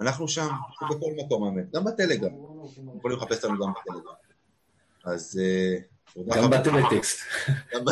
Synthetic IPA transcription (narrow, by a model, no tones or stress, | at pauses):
anaχnuʃambeko̞lmako̞mhaemet̪̚ɡambat̪ele̞ɡʁammjeχolimleχape̞slanuɡambat̪eleɡʁam | aze | tod̪aambat̪elet̪ekst̪amba